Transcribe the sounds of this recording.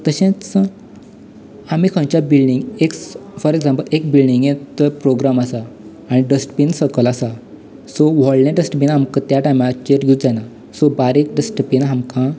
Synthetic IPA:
t̪əɕẽt͡s | amikʰãwt͡ɕabilɖiŋɡeksfɔɾeɡsãmpəlekbilɖiŋɡjet̪əpɾoɡɾamasaː | ɽ̃iɖəsʈpinsəkəlasa | soʋɔɭnãɖəsʈpinɦamkə̃t̪jaʈajmat͡ɕeʈɡʱut̪d͡zana | sobaɾek̚ɖəsʈpinɦamkã

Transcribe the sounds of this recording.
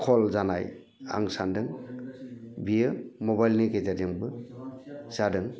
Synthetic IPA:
kʰɔlzana̰j | a̰ŋsandɯŋ | bijɯmɔbajlniɡejzadiŋbɯ | z̥adɯŋ

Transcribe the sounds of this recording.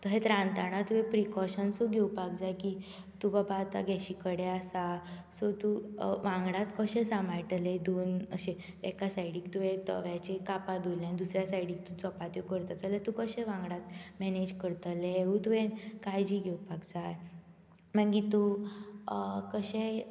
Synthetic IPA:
t̪əɦet̪ɾãnt̪aɽ̃at̪uẽpɾikɔɕənsoɡʱeupaɡd͡zajkiː | t̪ubəbʱaːt̪a̰ɡʱɛɕiːkəɽeasasot̪uʋãŋɡɽat̪kəɕẽsamajʈəled̪onə̰ɕe | ɛ̰kasaiɽiːkt̪uɦet̪ə̰ʋjat͡ɕekapad̪ojljãnd̪usɾjasajɽiːk̚t̪ũt͡sɔpat̪jokəɾt̪at͡salet̪ũkəɕẽʋãŋɡɽat̪mɛned͡ʑkəɾt̪əleut̪uʋenkajd͡ʑiːɡʱewpaɡd͡zaj | maŋɡit̪u | kəɕe

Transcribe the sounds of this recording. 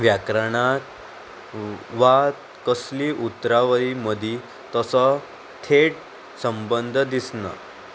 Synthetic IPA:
ʋjakɾəɳat̪ | ʋat̪ | kəsliːʔut̪ːɾaʋəɾiməd̪ʱi | t̪əsə | t̪ʰeʈ | səmbənd̪ʱd̪isna̰

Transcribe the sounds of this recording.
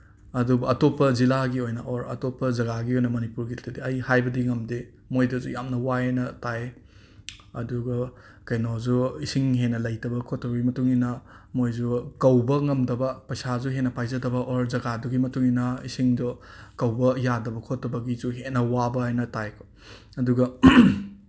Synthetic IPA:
ɐdubɐɐtopːɐzilaɡiojnɐʔoɾɐ̰topːɐzɐɡaɡiojnɐmɐnipuɾɡiltʰɐdiɐjhajbɐdiŋɐmdi | mojdɐzujamnɐwaenɐtae | ɐduɡɐ | kɐjnozuisiŋɦenːɐlɐjtɐbɐkʰotʰːɐbɐɡimɐtuŋinɐmojd͡ʒukɐwbɐŋɐmdɐbɐpɐjsazuɦenɐpajzɐdɐbɐʔoɾzɐɡaduɡimɐtuŋinɐisiŋdɔkɐwbɐjadɐbɐkʰotːɐbɐɡizuɦenːɐwabɐajnɐtajkʰo̥ | ɐduɡɐ

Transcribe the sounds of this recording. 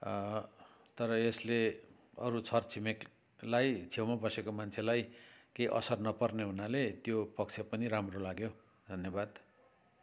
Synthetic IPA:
t̪ʌɾʌesle | ʌɾut͡sʰʌrt͡sʰimek | lajt͡sʰewmabʌsekomant͡sʰelajkeiʔʌ̰sʌrnʌpʌrneɦunalet̪jopʌk̚t͡sʰepʌniɾamrolaɡjo | d̪ʱʌnjʌbad̪

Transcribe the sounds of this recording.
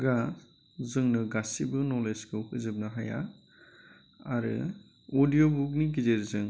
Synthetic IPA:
ɡa | zɯŋnɯɡasibɯnɔleskɯwkɯzɯp̚naɦaja̰ | aɾɯ̰ | odijobuk̬̚niɡizeɾzɯŋ

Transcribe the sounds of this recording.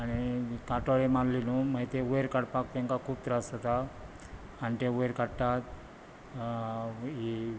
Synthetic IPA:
aɽ̃ikaʈoɭemaɾlinuməɦit̪eʋojɾkaɽpak̚t̪ẽŋkakʰuːp̚t̪əɾasət̪aː | nit̪ẽʋojɾkaɽt̪at̪ | i

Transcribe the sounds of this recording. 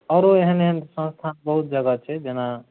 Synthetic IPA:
ɔɾoeɦəneɦənsə̃nst̪ʰanbəɦut̪̚d͡ʒəɡət͡ʃʰɛd͡ʒena

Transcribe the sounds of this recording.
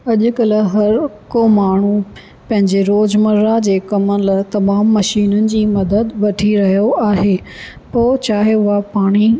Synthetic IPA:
ɐʄʊ̆kɐlɦɐɾ | komaːɳ̤u | pɐ̃ɦɪ̃ɲd͡ʑeɾoːd͡ʑmɐɾad͡ʑeːkɐmənlɐt̪ɐmaːmːɐʃiːnənɪ̆d͡ʑiːmɐd̪əd̪ʋɐʈʰiɾɐɦijoaːɦeː | poːt͡ɕaːɦeʊɦapaːɽ̃i

